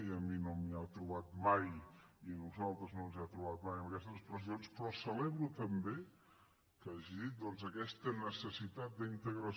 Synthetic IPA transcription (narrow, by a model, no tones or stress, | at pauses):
iəminomiat̪ɾuβat̪majinuzalˠt̪ɾəznonzat̪ɾuβat̪majəməkɛst̪əspɾəzionspɾɔsəlɛβɾut̪əmbe | kaʒiðit̪̚d̪ɔnzəkɛst̪ənəsəsit̪at̪̚d̪əint̪əɣɾə